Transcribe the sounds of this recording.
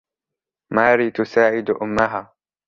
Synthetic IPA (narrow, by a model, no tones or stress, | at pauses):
maːɾiːt̪ʊsaːʕɪd̪ʔʊmːaɦaː